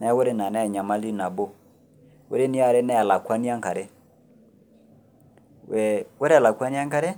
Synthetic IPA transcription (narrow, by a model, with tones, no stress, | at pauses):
na˨˦wo˦ɾe˦na˨na˦˨ɲa˨ma˦li˦na˨bo˦ | wo˦ɾe˦ni˦a˦˨ɾe˦nɛ˦a˨la˨kwa˦ni˦a˦ŋka˨ɾe˦ | wɛ˨wo˦ɾe˦a˨la˨kwa˦ni˦a˦ŋka˦ɾe˦